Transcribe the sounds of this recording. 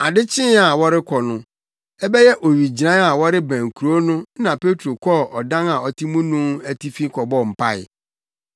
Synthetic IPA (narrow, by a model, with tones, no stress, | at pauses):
a˨dɪ˦t͡ɕʰɪ̃˦a˨wɔ˦ɾɪ˦kʰɔ˨nʊ̃˦ | ɛ˦bɛ˦jɛ˦ʔo˨ɥi˨d͡ʑi˨ã˦a˨wɔ˦ɾɪ˦bæ̃˨ŋ˨kʰu˨ɾo˦nʊ̃˦nã˨pe˦tʰɾo˨kʰɔ˦ɔ˨dã˦na˨ɔ˨tʰi˦mũ˦nũ˦æ˨tʰi˦fi˦kʰɔ˨bɔ˦˨m̩˨pʰa˦˨ɪ̰˨